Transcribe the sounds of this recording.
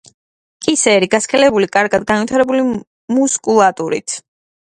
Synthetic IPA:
kʼisɛɾiɡaskʰɛlɛbulikʼaɾɡad̪ɡanvit̪ʰaɾɛbuli | muskʼulˠat̪ʼuɾḭt̪ʰ

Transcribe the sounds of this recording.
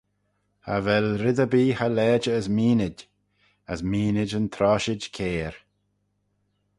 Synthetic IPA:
ha̰vɛlɾɪd̪əbiːhalɛːd͡ʒəːzmiːnɪd | əzmiːnɪd͡ʒənt̪ʰɾɔːʃɪd͡ʒkʰeːɾ

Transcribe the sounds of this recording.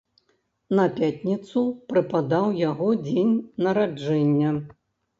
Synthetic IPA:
nɐpʲatʲnʲit̪supɾɨpad̪awjaɣɔd͡zʲenʲnɐɾad͡ʐɛnʲːɐ

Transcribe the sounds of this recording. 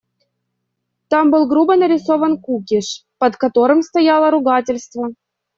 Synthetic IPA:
t̪ambɨlˠɡɾubənəɾʲɪsovənkukʲɪʂpət̪kɐt̪oɾɨmst̪ɐjalˠəɾʊɡatʲɪlʲst̪və

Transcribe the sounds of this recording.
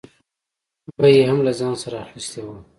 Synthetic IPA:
bajeɦamlazɑ̃ːnsaɾaxist̪ewa

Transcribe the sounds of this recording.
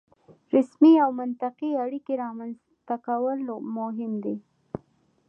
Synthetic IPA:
ɾɪsmiawmʊnt̪aqiaɽikeɾɑmanz | t̪akawəlomʊɦɪmd̪i

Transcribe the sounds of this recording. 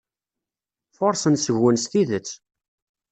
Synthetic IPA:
foɾˤsənsəʝːənsθiðət͡sː

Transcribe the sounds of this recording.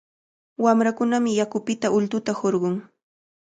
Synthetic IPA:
wamɾakʊnamɪjakʊpɪt̪aʔʊlt̪ʊt̪ahoɾɢʊŋ

